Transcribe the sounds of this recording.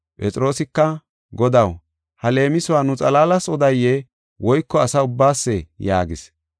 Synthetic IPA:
pʼɛt͡sʼɪɾo̞ːsɪkːɐ | ɡɔd̪ɐw | hɐle̞ːmɪsʊwaːnʊt͡sʼɐlaːlɐsɔd̪ɐjːɛ | wʔɔjkːɔɐsɐʊbːaːsːɛja̰ːɡɪs

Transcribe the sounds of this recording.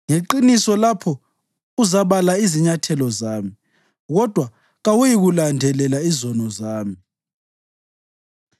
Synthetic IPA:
ŋeǃinisɔlapʰɔ | uzaβalaiziɲatʰɛlɔzaːmi | ɣɔd̥ʱwa | ɣawujiɣulandʱɛlɛlaizɔnɔzaːmi

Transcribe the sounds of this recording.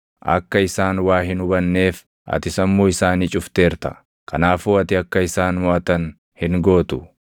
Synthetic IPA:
ʔɐ̰kːɐɪsaːnwaːɦɪnʊbɐnːe̞ːf | ʔɐ̰t̪ɪsɐmːoːɪsaːniːt͡ʃʼʊft̪e̞ːɾt̪ɐ̥̰ | kɐnaːfoːɐt̪ɪɐkːɐɪsaːnmɔʔɐt̪ɐn | hɪŋɡo̞ːt̪ʊ

